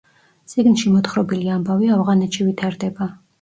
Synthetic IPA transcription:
t̪sʼiɡnʃimɔt̪χɾɔbiliambaviavʁanɛt̪ʃivit̪ʰaɾd̪ɛba

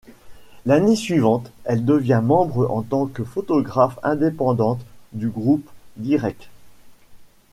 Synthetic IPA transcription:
lanesɥivɑ̃t̪ɛld̪əvjɛ̃mɑ̃bʁəʔɑ̃t̪ɑ̃kəfɔt̪ɔɡʁafɛ̰̃d̪epɑ̃d̪ɑ̃t̪d̪yɡʁupd̪iʁɛk̚

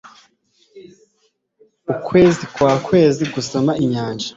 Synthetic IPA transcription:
ukwe̞ːzikwaːkwe̞ːziɡusamaiɲaːnʒḁ

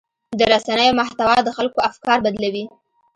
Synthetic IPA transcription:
d̪əɾasanəjomaht̪awɑd̪əxalkoafkɑɾbad̪lawi

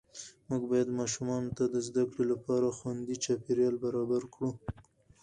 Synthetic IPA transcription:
muɡbɑjad̪mɑʃumɑnot̪ad̪əzd̪akɽolapɑɾaxwand̪it͡ʃɑpeɾjɑlbaɾɑbaɾkɽu

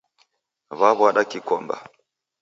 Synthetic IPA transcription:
βaβwaɗakikɔmba̰

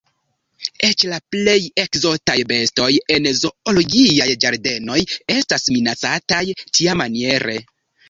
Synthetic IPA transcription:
e̞t͡ʃlaple̞je̞kzo̞tajbe̞sto̞jenzo̞oloɡiajd͡ʒaɾde̞no̞je̞stasminat͡satajtʰiamanie̞ɾe̞

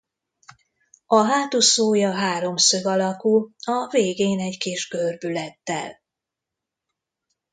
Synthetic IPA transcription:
ɒɦaːt̪usoːjɒɦaːɾo̞msøɡɒlɒkulɒveːɡeːnɛɟkiʒɡørbylɛt̪ːɛ̰l

